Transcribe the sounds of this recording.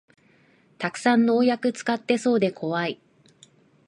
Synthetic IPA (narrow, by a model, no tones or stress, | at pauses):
t̪akɯ̟̥sãnːo̞ːjakɯ̟t͡sɨ̥kat̪ːe̞so̞ːd̪e̞kʰo̞βai